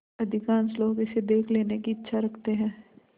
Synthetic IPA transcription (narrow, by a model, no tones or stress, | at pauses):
ɐd̪ʱɪkaːnsloːkɪsed̪eːkʰleːnekiɪtːʃʰaɾɐkʰt̪eɦɛ̃ː